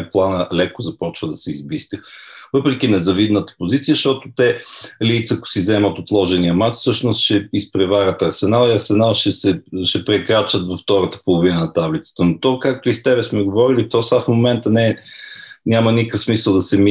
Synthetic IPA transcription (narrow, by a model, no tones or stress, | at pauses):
plˠanəlɛkʊzɐpɔt͡ʃvəd̪ɐsɛizbist̪ivɤpɾɛk̟inɛzɐvid̪nət̪ə̥pozit̪sijəʃt̪ɔt̪ʊt̪ɛlijt̪səkʊ̥sizɛmət̪ot̪lˠɔʒɛniəmat͡ʃfsɤʃnʊst̪ʃɛispɾɛvaɾʲɐt̪ɐɾsɛnalˠiɐɾsɛnalˠʃɛsɛʃɛpɾɛkɾat͡ʃət̪vɐft̪ɔɾət̪ə̥polˠʊvinənɐt̪ablit̪sə̥t̪ənot̪ɔkak̚t̪ʊist̪ɛβɛsmɛɡovɔɾilit̪ɔsafmomɛnt̪ənɛ | nʲamənikəfsmisəlˠd̪ɐsɛmi